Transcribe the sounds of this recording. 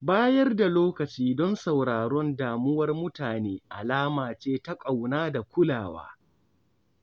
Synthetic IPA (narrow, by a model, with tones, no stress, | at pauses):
baː˦jɐ˦rda˨loː˦kɐ˨t͡ʃiː˦dɔ˦nsa˨wɽaː˨ɾɔ˦ndaː˨mʊ˦wɐ˦rmʊ˦taː˨neː˦ʔa̰˨laː˦maː˨t͡ʃeː˦ta˦kʼa˨wnaː˦da˨kʷʊ˦laː˨wa̰ː˦